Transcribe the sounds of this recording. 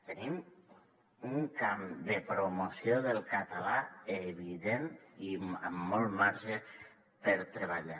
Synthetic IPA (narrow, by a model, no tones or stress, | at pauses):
t̪ənim | uŋkamd̪əpɾomosjoðəlˠkat̪alaeβiðeniəmːɔlˠmaɾʒə | pəɾt̪ɾəβaʎa